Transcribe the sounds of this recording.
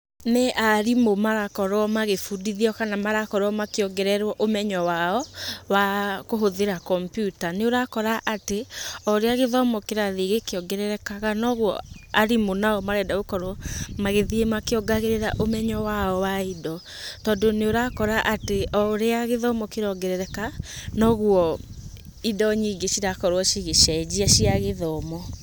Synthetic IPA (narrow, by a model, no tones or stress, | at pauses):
neʔaɾimomaɣakɔɾwɔmaɣefudiðiɔkanamaɾakɔɾwɔmakeɔɡɛɾɛɾwɔʔomɛɲɔwaɔwakoɦoðeɾakɔmpjutaneoɾakɔɾaʔateɔɾeaɣeðɔmɔkeɾaðeɣekeɔɡɛɾɛɾɛkaɣanɔɣwɔ̰aɾimonaɔmaɾɛdaɣokɔɾɔmaɣeðiemakeɔɡaɣeɾeɾaʔomɛɲɔwaɔwaidɔ | tɔːdoneoɾakɔɾaʔateɔɾeaɣeðɔmɔkeɾɔɡɛɾɛɾɛkanɔɣuɔ | idɔɲiɡeɕiɾakɔɾwɔʃiɣeʃad͡ʒiaʃiaɣeðɔːmɔ